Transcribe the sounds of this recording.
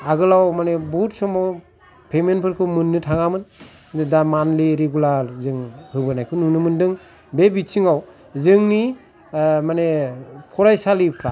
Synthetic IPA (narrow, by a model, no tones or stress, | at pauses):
aɡɯlawmanebutsɔmaw | pʰemenpʰɯɾkʰɯmɯnːɯtʰaŋamɯn | damanliɾeɡulaɾzɯŋhɯbɯnajkʰɯnunɯmɯndɯŋ | bebit͡ʃʰiŋaw | zɯŋni | manepʰɔɾajsalipʰɾa